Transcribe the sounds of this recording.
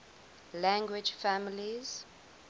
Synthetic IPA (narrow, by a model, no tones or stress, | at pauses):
lãŋɡwid͡ʒfamiliz̥